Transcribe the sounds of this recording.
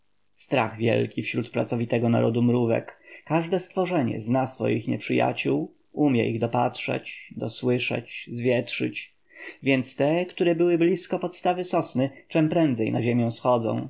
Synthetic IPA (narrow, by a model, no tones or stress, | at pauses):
st̪ɾa̰ɣvʲjɛ̰lkʲifɕɾut̪pɾatsɔvʲit̪ɛɡɔna̰ɾɔd̪umɾuvɛ̰kkaʐd̪ɛst̪fɔʐɛɲɛ̰znasfɔ̰jḭxɲɛpʂɘja̰t͡ɕuw | umʲjɛʔiɣd̪ɔpatʂɛ̰t͡ɕd̪ɔswɘʂɛ̰t͡ɕzvʲjɛtʂɘ̰t͡ɕ | vʲjɛnt̪st̪ɛkt̪uɾɛbɘwɘblʲiskɔpɔt̪st̪avɘsɔsnɘt͡ʂɛmpɾɛnd̪zɛjnaʑemʲjɛ̃w̃sxɔd̪zɔ̰̃w̃